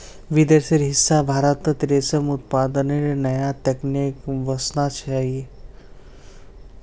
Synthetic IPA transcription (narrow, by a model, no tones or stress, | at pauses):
ʋid̪əɾsiɾɦisːabʱaɾat̪ət̪ɾesəmut̪̚pad̪əneɾenɐjat̪eknikʋəsnat͡ʃʰaje